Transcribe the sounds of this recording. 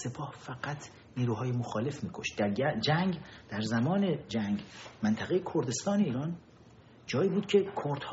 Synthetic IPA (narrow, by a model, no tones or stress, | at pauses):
se̞pʰɒːhfæɢæt̪ʰ | niːɾuːɦɒːjemoxɒːle̞fmiːkʰoʃd̪̥æɾd͡ʒæŋɡd̪̥æɾzæmɒːne̞d͡ʒæŋɡmænt̪ʰæɣejekʰoɾd̪e̞st̪ɒːne̞iːɾɒːn | d͡ʒɒːiːbuːd̪̥̚cʰe̞kʰoɾd̪̥h